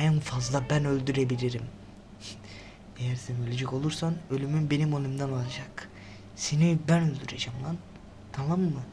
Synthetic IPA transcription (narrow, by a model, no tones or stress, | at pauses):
ænfazlˠabænø̞lʲd̪yɾebilʲiɾim | ejæɾsɛnø̞lʲed͡ʒɛko̞lˠuɾsanø̞lʲymynbe̞nimo̞lʲymd̪analˠd͡ʒak | senibænø̞lʲd̪yɾed͡ʒamlˠan | t̪ʰanamːɯ